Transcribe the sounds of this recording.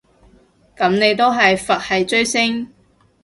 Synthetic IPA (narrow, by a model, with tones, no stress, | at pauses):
kɐ˨˥mne˨˧jt̪o˥wɦɐ˨jfɐ˨t̚hɐ˨jt͡ʃɵ˥ɥsɪ˥ŋ